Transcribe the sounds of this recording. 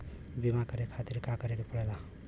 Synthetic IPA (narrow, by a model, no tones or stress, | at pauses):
bimakəɾekʰat̪iɾkakəɾekepəɽela